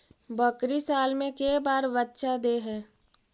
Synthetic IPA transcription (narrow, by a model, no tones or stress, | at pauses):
bəkɾisaːlmẽkeːbaːɾbətːʃad̪eːɦɛː